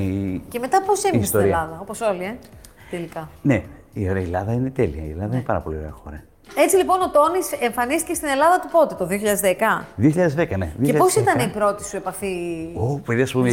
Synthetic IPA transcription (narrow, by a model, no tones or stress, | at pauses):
ice̞me̞t̪ɐposemist̪t̪oeɾilɐðɐo̞po̞solie̞ | t̪e̞likɐne | io̞ɾeɐelɐðɐinet̪eliɐ̰ielɐðɐinepɐɾɐpo̞lio̞ɾḛɐxo̞ɾɐ | e̞t͡silipo̞no̞t̪o̞niseɱfɐnist̪icest̪ine̞lɐðɐt̪upo̞t̪et̪o̞ðioçiʎɐðezðekɐðioçiʎɐðezðekɐnḛðioçeçposit̪ɐneipɾo̞t̪isue̞pɐfiopeðiɐspume